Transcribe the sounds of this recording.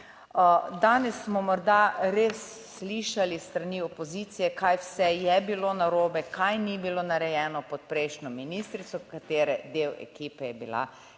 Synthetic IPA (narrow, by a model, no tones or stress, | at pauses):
d̪aːnɛsːmɔmɔɾd̪aɾeːsː | liʃalist̪ɾaniɔpozit̪sijɛkajwsɛjɛbilonaɾoːbɛkʰajnibilonaɾɛjɛːnɔpɔt̪̚pɾɛjʃnʲɔminist̪ɾit̪sɔkat̪eːɾɛd̪ewɛ̰kiːpɛjɛbila̰